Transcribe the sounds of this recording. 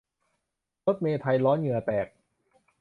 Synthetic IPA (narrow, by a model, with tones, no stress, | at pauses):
ɾo˦˥t̪̚meː˧t̪ʰa˧jlɔː˦˥nŋɯ˧˩ɐp̪ɛː˨˩k̚